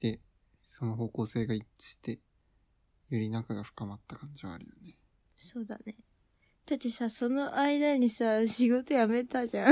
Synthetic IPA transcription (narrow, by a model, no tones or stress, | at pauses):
d̪̥e̞ | so̞noɦo̞ːko̞ːse̞ːɡait͡ɕi̥t̪e̞ | joɾʲinakaɡaɸɯ̥kamat̪ːakãɲ̟d͡ʑiβa̰ːɾɯ̟jone̞ | so̞ːd̪a̰ne̞ | t̪at̪isaso̞no̞ʔaid̪aɲ̟isaɕiɡo̞t̪o̞jame̞t̪aʑã